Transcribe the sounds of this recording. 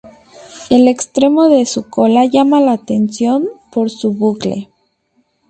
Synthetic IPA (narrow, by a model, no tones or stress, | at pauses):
e̞le̞kst̪ɾe̞mo̞ðe̞suko̞laʝamalaːt̪e̞nsjo̞mpo̞ɾsuβuklḛ